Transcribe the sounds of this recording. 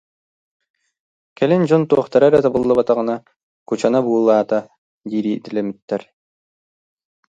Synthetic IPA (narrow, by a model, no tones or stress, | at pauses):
kɛlind͡ʑɔnt̪uɔχt̪aɾaɾɛt̪abulˠːabat̪aʁɯna | kut͡ɕanabuːlˠaːt̪a | d̪iːɾiːt̪ilɛmyt̪ːɛɾ